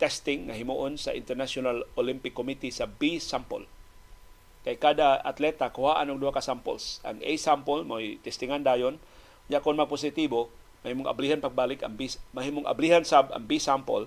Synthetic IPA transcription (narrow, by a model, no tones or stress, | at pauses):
t̪ɛst̪ɪŋːɐɦɪmuʔonsɐ̰ʔɪ̰nt̪ɛɾnasʊnalʔolimpɪkːomit̪isɐbisampo̰l | kajkad̪aat̪lɛt̪akʊhaːʔanʊɡd̪uhakasampo̰lsʔɐ̰ŋɛ̰jsampolmojt̪ɛst̪ɪŋand̪aːjon | jakʊnmɐɡ̚pʊsɪt̪ibo | mɐhimoŋʔa̰blihanpɐɡ̚baːlɪkɐ̰ŋbimɐɦimoŋʔa̰blihansabʔɐ̰ŋbisampo̰l